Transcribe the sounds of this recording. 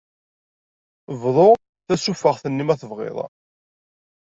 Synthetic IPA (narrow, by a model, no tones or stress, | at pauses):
vðˤo | θæsufːəʁθənːimæθəvʁɪ̰ðˤ